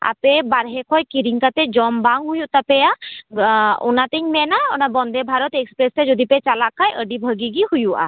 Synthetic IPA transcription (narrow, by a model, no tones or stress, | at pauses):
a̰pebaɾɦɛkʰɔjkiɾiŋkat̪ɛd͡ʒɔmbaŋɡɦujut̪apɛja | unat̪ɛɲmɛnaɔnabɔnd̪ʱɛbʱaɾɔt̪ekspɾestɛd͡ʒɔd̪ʱipɛt͡ʃalakʰajʔəɖibʱəɡiɡihujuʔa̰